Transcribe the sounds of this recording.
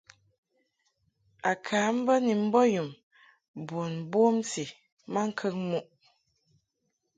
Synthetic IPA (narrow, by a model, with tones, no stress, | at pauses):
a˨kʰaː˨˦m̩˦bə˦ni˨m̩˦bɔ˦ju˨m | bo˨nbo˦msi˨ | ma˦ŋ̩˦kʰə˦ŋmu˦ʔ